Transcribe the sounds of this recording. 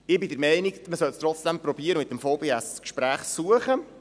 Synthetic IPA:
ɪbɪd̪əɾmɛɪnɪkməsœlst̪ɾɔt͡sd̥̪ɛmpɾɔbiːəɾəmɪt̪ːəmfoʊbeːæskʃpɾæːχsuəχə

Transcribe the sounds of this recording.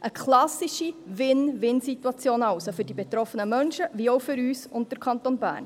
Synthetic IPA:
ʔəkʰlɑsiʃiʋɪnʋɪnsituɑt͡sjoːnɑʊsofɵrdibet̪ɾɔfənəmœnʃəʋiɔʊfʏɾyːsʊnt̚d̥əɾkʰɑntonbæ̰ːɾn

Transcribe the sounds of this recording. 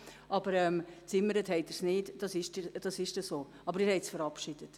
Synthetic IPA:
ʔɑb̥əɾɛmt͡sɪmːəɾəthɛɪtəɾsnɪːtd̥ɑsɪʃtd̥ɑsɪʃtəsoː | ɑbəɾɪːɾhɛɪtsfəɾɑpʃid̥ət

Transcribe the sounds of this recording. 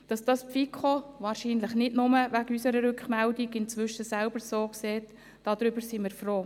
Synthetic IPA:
d̥ɑsd̥ɑspfikʰχoʋɑːɾʃiːnləχnɪdnʊməʋæɡysəɾəɾʏkχmɛldiɡɪnt͡sʋʏʃəsɛlb̥əɾsoːkseːt | d̥ɑd̥̪ɾʏbəɾsimɪːɾfɾoː

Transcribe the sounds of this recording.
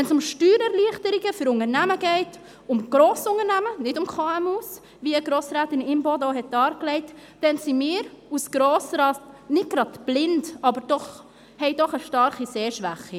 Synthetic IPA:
ʋɛnsʊmʃtyːɾɛɾliəχtəɾɪɡəfʏɾʊŋəɾnæməɡɛɪt | ʊmɡ̥ɾoːsʊŋəɾnæmənɪdʊmkχɑːɛmus | ʋiəɡɾoːsɾaːtɪnɪmbodoːhɛt̚d̥ɑːɾklɛɪt | d̥ɛnsimɪːɾusɡ̥ɾoːsɾɑːtnɪt̚ɡ̥ɾɑtb̥lɪndɑbəɾd̥ɔχ | hɛɪdɔχəʃtɑɾχiseːʃʋæχi

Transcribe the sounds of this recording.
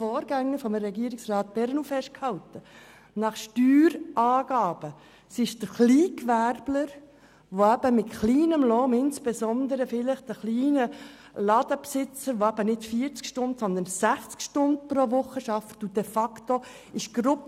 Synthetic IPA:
fɔːɾɡæŋːəfɔmɾɛɡiəɾɪksrɑːt̪̚b̥ɛɾnufɛʃt̚khɑwt̪ə | nɑχʃtyːɾʔɑːɡ̥ɑːb̥ə | sɪʃd̥̪əχliːkʋærbləɾ | ʋoæbəmɪtχliːnəmlɔːmɪnsb̥esɔnd̪əɾəfɪləχd̥̪əχliːnə | lɑd̪əpsɪt͡səɾʋoæb̥ənɪtfiːəɾt͡skʃtʊndsɔnd̪ənsæχt͡skʃtʊnd̪̚pɾoʋʊχːəʃɑfətud̥̪ɛfɑkt̪o | ɪʃɡ̥ɾʊp

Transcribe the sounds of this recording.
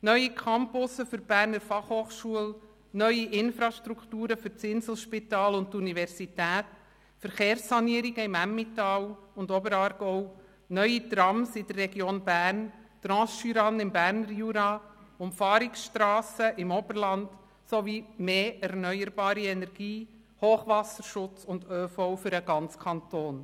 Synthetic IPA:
nœʏikʰɑmpʊsəfʏɾb̥æːɾnəɾfɑχhoːχʃuəl | nœʏiʔɪnfɾɑʃtɾukʰtuːɾəfʏɾt͡sɪnsl̩ˠʃpɪtɑːlʊnttunivɛɾsitæːt | fəɾχeːɾsːɑniəɾiɡəɪmæmːitɑːwʊndɔbəɾɑːɾɡ̥ɔʊw | nœʏit̪ɾɑmsɪdərːɛɡjoːnbæːɾnt̪ɾɑ̃ːsʃyɾɑnɪmbæːɾnəɾjuɾɑʊmfɑːɾɪksʃtɾɑːsəʔɪmɔbəɾlɑnd̥ | soʋimeːɛɾnœʏəɾbɑːɾiɛnɛɾɡ̥iː | hoːχʋɑsəɾʃʊt͡sʊndøːfɔwfʏɾəɡ̥ɑnt͡skʰɑntoːn

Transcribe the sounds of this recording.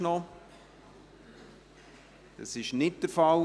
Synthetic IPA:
nɔ | d̥ɑsɪʃnɪt̚d̥əɾfɑl

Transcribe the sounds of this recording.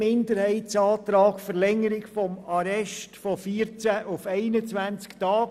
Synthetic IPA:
ɪndəɾhɛɪtt͡sɑːt̪ɾɑːɡ̥fəɾlɛŋːəɾɪɡfɔmɑɾɛʃtfɔfiːɾt͡sæʔʊfɛɪnət͡sʋænt͡sktɑːɡ

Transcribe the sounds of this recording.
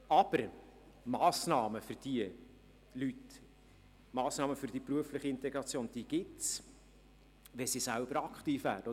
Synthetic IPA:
ɑb̥əɾ | mɑːsnɑːməfʏɾd̥iə | lyt | mɑːsnɑːməfʏɾd̥ipɾuəflɪχiɪnt̪ɛɡɾɑt͡sjoːnd̥̪iəɡ̥ɪts | ʋɛsisælb̥əɾɑkχt̪iːfvæːɾəɔ

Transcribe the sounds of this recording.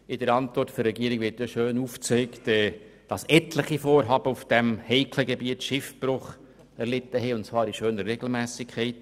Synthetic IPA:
ɪdəɾɑntvɔrtfɔɾːɛɡiːəɾɪɡʋɪɾtjɔʃøːnuft͡sœɪktɛ | d̥ɑsɛtləχifoːɾɦɑːb̥əufd̥ɛmhɛɪkʰləɡebiətʃɪfb̥ɾʊχ | ɛɾlɪtːəɦɛʊntt͡svɑːɾiʃøːnəɾːɛɡl̩mæːsɪkʰχɛɪt

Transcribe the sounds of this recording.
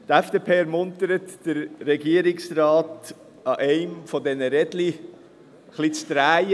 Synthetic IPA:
t̪æfd̥eːpʰeːɛɾmʊntəɾətd̥əɾːɛɡiəɾɪksɾɑːt | ɑʔɛɪmfɔdɛnəɾɛdli | χlit͡st̪ɾæːj

